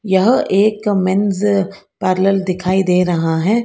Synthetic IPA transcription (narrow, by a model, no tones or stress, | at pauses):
jɐɦʔeːkmɪnzpaːɾləld̪ɪkʰaːid̪eːɾɐɦaɦɛː